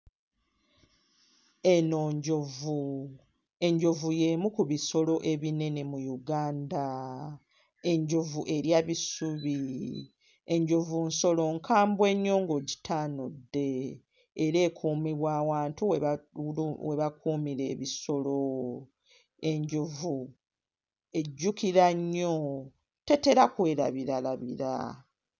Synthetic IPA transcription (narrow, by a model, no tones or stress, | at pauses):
enoːɲɟovu | e̞ɲɟo̞vuje̞ːmukuβiso̞lo̞ʔe̞βine̞ne̞mujuɡaːnda | e̞ɲɟo̞vuʔe̞ɾjaβisuβi | eɲɟo̞vunso̞lo̞ŋkʰaːmbwe̞ɲːo̞ːŋɡo̞ɟi̥tʰaːnodːe̞ː | ɾe̞ːkʰuːmiβwaːwaːntuwe | we̞βakʰuːmiɾe̞̰ːβiso̞lo | e̞ɲɟovu | e̞ɟːukiɾaɲːo | te̞te̞ɾakwe̞ːɾa̰βiɾalaβḭɾa̰